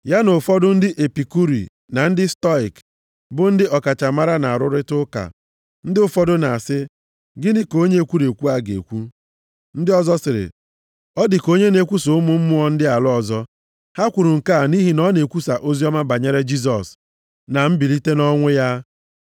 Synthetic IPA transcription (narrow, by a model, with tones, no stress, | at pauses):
ja˦nʊ˨fɔ˦dʊ˦n̩˦dɪ˦ʔe˨pi˨ku˦ɾḭ˨ | na˨n̩˦dɪ˦stɔ˦i˨k | bʊ˨˦n̩˦dɪ˦ɔ˨ka˨t͡ʃa˨ma˦ɾa˦na˨a˨ɾʊ˦ɾɪ˦tʊ˦ka̰˨ | n̩˦dɪ˦ʊ˨fɔ˦dʊ˦na˨a˨sɪ˦ | ɡɪ˦nɪ˦ko˦ɲe˦e˨kʷu˦ɾe˨kʷu˦a˦ɡḛ˨kʷu˦ | n̩˦dɪ˦ɔ˦zɔ˦sɪ˨ɾɪ̰˨ | ɔ˦dɪ˨ko˦ɲe˦ne˨kʷu˦so˨ʊ˦mʊ˦m̩˦mʊ˦ɔ˦n̩˦dɪ˦a˨lʊ˦ɔ˨zɔ˦ | ha˦kʷu˨ɾu˨ŋ̩˨ka˦˨ni˦ɦi˨nɔ˦ne˨kʷu˦sa˨ʔo˦zi˦ɔ˦ma˦ba˨ɲe˦ɾe˦d͡ʒi˦s̬ɔ˨s | na˨m̩˦bi˨li˦te˦nɔ˦ŋʷe˦ja˦